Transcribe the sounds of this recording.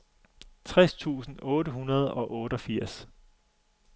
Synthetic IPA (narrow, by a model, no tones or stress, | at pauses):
t͡sʰʁɛst͡sʰṵːsn̩ɔ̽ːɾəɦunɐð̞ˠɒ̽ʔɔ̽ːɾ̥ɒ̽fiɐ̰s